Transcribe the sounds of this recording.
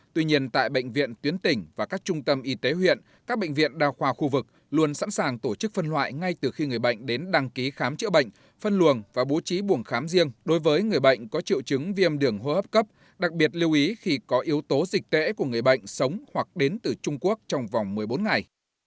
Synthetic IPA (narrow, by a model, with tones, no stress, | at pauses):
t̪wi˧ɲi˧ənt̪a̰ː˧˨jɓə̰˧˨ŋ̟vḭ˧˨ənt̪wi˨˦ənt̪ï˨˩ŋ̟vaː˨˩kaː˦˥k̚t͡ɕʊ˧ŋ͡mt̪ə˧mʔi˨˦t̪e˨˦ɦwḭ˧˨ən | kaː˦˥k̚ɓə̰˧˨jŋ̟vḭ˧˨ənɗaː˧wxwaː˧xu˧vɨ˨˩k̚ | lu˧ənsa̰˧˥nsaː˨˩ŋt̪o˧˩t͡ɕɨ˦˥k̚fə˧nlwa̰ː˧˨jŋa˧jt̪ɨ˨˩xi˧ŋɨ˨˩əjɓə̰˧˨jŋ̟ɗe˨˦nɗa˧ŋki˨˦xaː˨˦mt͡ɕɨ̰˧˥ɓə̰˧˨jŋ̟ | fə˧nlu˨˩ənvaː˨˩ɓo˨˦t͡ɕi˨˦ɓu˧˩ənxaː˨˦mzi˧əŋɗo˨˦jvəː˨˦jŋɨ˨˩əjɓə̰˧˨jŋ̟kɔ˨˦t͡ɕḭ˧˨wt͡ɕɨ˨˦ŋvi˧ə˧mɗɨ˧˩əŋɦo˧həː˦˥p̚kə˦˥p̚ | ɗa˨˩k̚ɓi˨˩ət̚li˧əwʔi˨˦xi˧kɔ˨˦ʔi˨˦əwt̪o˨˦zï˨˩k̟̚t̪ḛ˧˥ku˧˩əŋɨ˨˩əjɓə̰˧˨jŋ̟sə˨˦wŋ͡mhwa˨˩k̚ɗe˨˦nt̪ɨ˨˩t͡ɕʊ˧ŋ͡mku˦˥ək̚t͡ɕɔ˧wŋ͡mva˨˩wŋ͡mmɨ˨˩əjɓo˨˦nŋa˨˩j